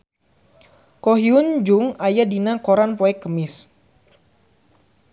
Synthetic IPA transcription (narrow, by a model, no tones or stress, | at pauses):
koɦiund͡ʒuŋajadinakoɾanpɔɛkːəmɪs